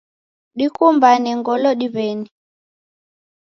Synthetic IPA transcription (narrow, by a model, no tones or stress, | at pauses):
ɗikumbanɛŋɡɔlɔɗiβɛni